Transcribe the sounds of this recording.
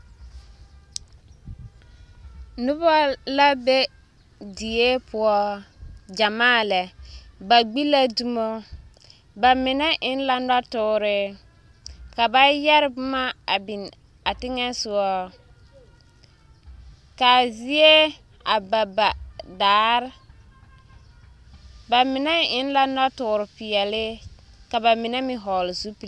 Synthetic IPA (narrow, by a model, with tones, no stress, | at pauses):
nʊ˦ba˦la˦be˦ | di˨e˦pʊ˨˦ɔ˦ | d͡ʒa˨maː˦˨lɛ˨ba˨ɡ͡bi˦la˦du˦mo˦ | ba˨mɪ˨nɛ˦ʔɪ˨˦n˦la˦na˦tʊː˦ɾɪ˦ | ka˨ba˦jɛ˦ɾɪ˦bʊ˦ma˦˨bɪ˨n | a˨tɪ˦ŋɛ˦sʊ˨ɔ˦ | ka˨zɪ˦e˦ | a˨ba˨ba˨daː˨˦ɾ | ba˨mɪ˨nɛ˦ɪ˦n˦la˦na˦tʊ˨ɾɪ˨pɪ˨ɛ˨lɪ˦ | ka˨ba˨mɪ˨nɛ˦mɪ˨ɦɔ˨lɪ˨zu˦pi˨